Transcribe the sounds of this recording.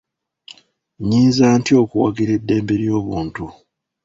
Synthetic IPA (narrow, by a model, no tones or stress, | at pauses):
ɲiːnzaːntio̞kuwa̰ɡiɾe̞dːe̞ːmbe̞ɾijo̞ːβuːntu